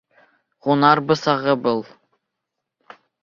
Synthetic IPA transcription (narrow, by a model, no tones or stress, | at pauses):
ʁonɑɾbɤ̆sɑʁɤbɤlˠ